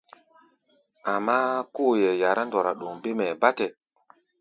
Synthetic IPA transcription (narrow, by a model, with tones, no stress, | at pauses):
a˨mːa˦ko˦˨jɛ˨ja˨ɾa˦ndɔ˨ɾa˨ɗo˨ŋbe˦mɛ˨ba˦tɛ˨